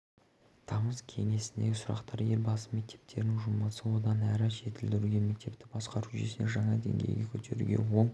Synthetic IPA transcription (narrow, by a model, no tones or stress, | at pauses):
t̪ʰɑməzkʲʰe̞̰ŋe̞sɪnd̪eɡʲɪsʊɾɑ̰qt̪ɑɾje̞ɾbɑsəme̞k̚t̪ʰe̞̥p̚t̪ʰe̞̰ɾnɪŋʒʊməsəwo̞d̪ɑnæɾɪʒe̞t̪ɪld̪ɪɾuɡʲe̞me̞k̚t̪e̞p̚t̪ɪ̥bɑsqɑɾuʒesɪneʒɑɴɑd̪e̞̰ŋɡʲḛjɡʲekʲʰɵt̪ʰe̞ɾṵɡʲe̞̰wo̞ɴ